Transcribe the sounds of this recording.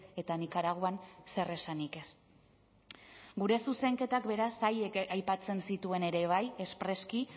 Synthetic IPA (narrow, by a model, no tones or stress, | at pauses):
e̞t̪anikaɾaɣ̞oanse̞re̞sanike̞s | ɡuɾe̞suse̞ŋke̞t̪akbe̞ɾasajekajpat͡se̞nsit̪ue̞ne̞ɾe̞β̞aje̞spɾe̞ski